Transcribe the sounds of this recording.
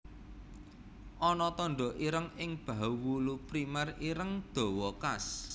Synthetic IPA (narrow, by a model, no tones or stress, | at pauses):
ʔɔnɔt̪ɔɳɖɔ̤ʔiɾəŋɪŋb̥a̤uwulupɾimɛriɾəŋd̪̥o̤wɔkas